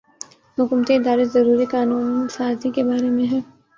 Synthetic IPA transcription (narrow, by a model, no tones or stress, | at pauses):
mʊkʊmt̪eɪd̪aːɾezɐɾuːɾikaːnuːnsaːzikebaːɾemẽɦɛː